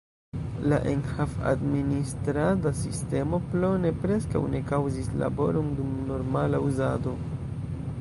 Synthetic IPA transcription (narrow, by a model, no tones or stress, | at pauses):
laʔenhafa̰dministɾadasiste̞mo̞plo̞ne̞pɾe̞ska̰wne̞kawzisla̰bo̞̰ɾo̞ndumno̞ɾmalauzado̞